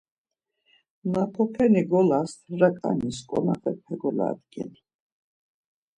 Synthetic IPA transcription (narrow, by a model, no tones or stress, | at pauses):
napʰɔpʰɛniɡɔlast̪ʰɾakʼa̰niskʼɔnaχɛpʰɛɡɔla̰d̪ɡɛ̰ni